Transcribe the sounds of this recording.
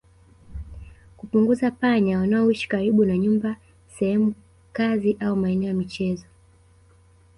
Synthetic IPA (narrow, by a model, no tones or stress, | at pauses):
kupuŋɡuzapaɲawanaɔwiʃi̥kaɾiɓunaɲumba | sɛhɛmu | kaziʔaumaɛnɛɔjamit͡ʃɛzɔ